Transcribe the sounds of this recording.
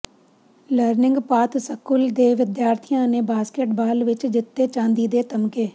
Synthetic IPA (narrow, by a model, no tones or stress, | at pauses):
ləɾnɪ̃ŋɡpaːt̪səkʊld̪eːʋɪd̪jaːɾt̪ʰijãːneːbaːskeʈbaːlʋɪt͡ʃd͡ʒɪt̪ːeːt͡ʃãːnd̪iːd̪eːt̪əmkeː